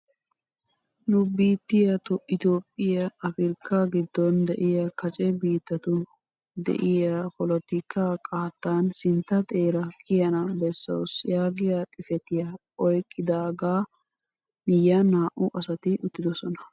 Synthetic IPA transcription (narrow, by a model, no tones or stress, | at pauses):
nʊbiːt̪ːɪjɐt̪ʊʔɪt̪o̞ːpʼːɪjɐɐfɪɾkːaɡɪd̪ːɔnd̪ɛʔɪjɐkɐt͡ʃʼɛbiːt̪ːɐt̪ʊ | d̪ɛ̰ʔɪjaɐpɔlɔt̪ɪkːaːkʼaːt̪ːaːnsɪnt̪ːɐt̪ʼe̞ːɾɐkʰɪjɐnɐbɛsːɐ̰wsjaːɡɪjat̪ʼɪfɛt̪ɪjɐ | ɔjkʼːɪd̪aːɡaː | nɪjɐnaːʔʊʔɐsɐt̪ɪʔʊt̪ːɪd̪ɔsɔnɐ